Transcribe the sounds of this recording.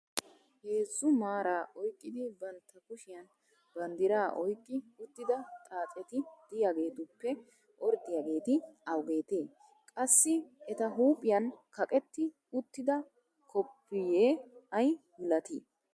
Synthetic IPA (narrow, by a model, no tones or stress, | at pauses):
heːzːʊmaːɾaːʔɔjkʼːɪd̪ɪbɐnt̪ːɐkʊʃɪjɐn | bɐnd̪ɪɾaːʔɔjkʼːɪʊt̪ːɪd̪ɐt̪ʼaːt͡sʼɛt̪ɪd̪̥ɪjaːɡe̞ːt̪ʊpːɛ | ʔɔɾd̪ɪjaːɡe̞ːt̪ɪɐwɡe̞ːt̪eː | kʼɐsːɪʔɛt̪ɐɦuːpʼɪjɐnkɐkʼɛt̪ːɪ | ʊt̪ːɪd̪ɐ | kʰɔpːɪjeːɐjmɪlɐt̪ḭː